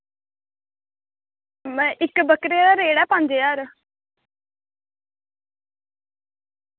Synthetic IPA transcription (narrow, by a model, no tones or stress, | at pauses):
mɛ̃ːʔɪkbəkɾeːd̪aːɾeːɽɛːpãːɲd͡ʒeːjaːɾ